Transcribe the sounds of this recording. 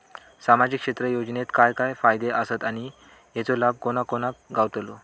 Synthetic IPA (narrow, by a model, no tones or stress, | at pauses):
samad͡ʑikʂet̪ɾəjod͡ʑnet̪kajkajfajd̪eʔəsət̪aɽ̃i | jet͡solab̚ʱkoñakoñakɡaʋt̪lo